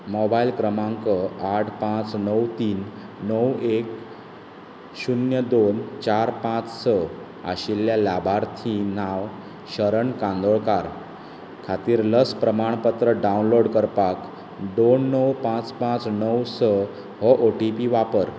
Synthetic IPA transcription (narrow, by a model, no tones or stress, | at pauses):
mɔbailkɾəmãŋkəaʈʰpãt͡snəwt̪iːnː | əwek | ɕunjəd̪ont͡ɕaɾpãt͡ssə | a̰ɕiljalabʱaɾt̪ʰinaʋ | ɕəɾəɳkãnd̪oɭkaɾ | kʰat̪iːɾləspɾəmaɳ̃pət̪ɾəɖaunloɽkəɾpak | d̪onːəwpãt͡spãt͡snəwsə | ɦɔʔoʈipiʋapəɾ